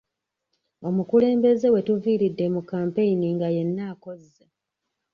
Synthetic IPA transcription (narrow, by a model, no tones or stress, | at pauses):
o̞mukule̞ːmbe̞ze̞we̞tuviːɾidːemukːaːmpe̞iniŋɡaje̞nːaːko̞zːa